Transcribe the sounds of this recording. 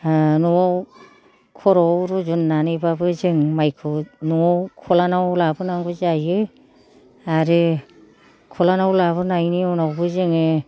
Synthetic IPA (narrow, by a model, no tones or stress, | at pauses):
nuwaw | kʰɔɾɔwɾuzunːanɯjbabɯzɯŋmajkʰɯwnuwɔwkʰɔlanawlabɯnaŋɡɯzajɯ | aɾɯ | kʰɔlanawlaβɯnajniɔnawbɯzɯŋɯ